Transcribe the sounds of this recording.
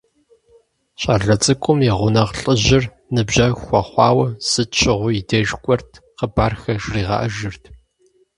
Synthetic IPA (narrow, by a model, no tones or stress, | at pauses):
ɕʼɐɮɐt͡sʼɨkʷʼʊmiʁʷʊnɐʁɬʼəʑɪr | nɨbʑɐxʷɐχʷɑːwɐz̥ɨt͡ʃʰɪʁʷʊideːʒkʷʼɔrtʰ | qəbaːrxɐʒriːʁɐ̰ʔɐʒɨrtʰ